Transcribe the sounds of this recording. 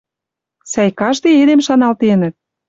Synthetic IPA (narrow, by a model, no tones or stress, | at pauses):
sæjkɑʃt̪eed̪emʃɑnɑlt̪enə̆t̪̚